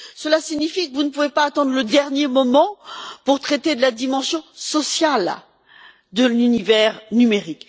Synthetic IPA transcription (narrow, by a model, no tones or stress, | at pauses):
səlasiɲifikəvunəpuvepaːt̪ɑ̃d̪ʁləd̪ɛʁnjemɔmɑ̃puʁt̪χɛt̪ed̪əlad̪imɑ̃sjɔ̃sɔsjal | d̪əlynivɛʁnymeʁik